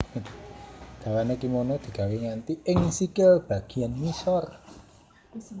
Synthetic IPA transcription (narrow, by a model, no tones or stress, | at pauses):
ɡ̥a̤wanekimonod̪̥i̤ɡ̥a̤weŋant̪iɪŋsikelb̥a̤ɡ̥i̤anmisɔr